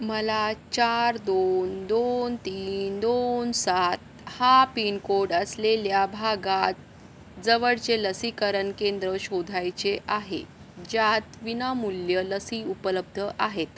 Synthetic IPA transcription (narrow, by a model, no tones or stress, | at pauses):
məlat͡ɕaɾd̪ond̪ont̪iːnd̪onsat̪̚ | hapinkoɖəsleljabʱaɡat̪̚ | d͡zəʋəɽt͡seləsikəɾənkend̪ɾəɕod̪ʱajt͡ɕeʔaɦḛ | d͡ʑat̪ʋinamuljələsiupələb̚d̪ʱəʔaɦet̪